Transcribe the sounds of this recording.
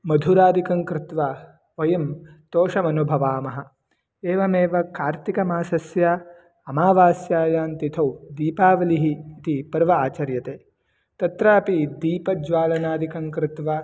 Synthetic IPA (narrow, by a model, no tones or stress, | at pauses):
mɐd̪ʱuɾaːd̪ikɐŋkɾɪt̪ʋa | ɐjɐmt̪oːʃɐmɐnubʱɐʋaːmɐɦɐ̆ | eːʋɐmeːʋɐkaːɾt̪ikɐmaːsɐsjaː | ɐmaːʋaːsjaːjaːnt̪it̪ʰɐwd̪iːpaːʋɐliɦiːt̪ipɐɾʋɐaːt͡ʃɐɾjɐt̪eː | t̪ɐt̪ɾaːpid̪iːpɐd͡ʒʋaːlɐnaːd̪ikɐŋkɾɪt̪ʋa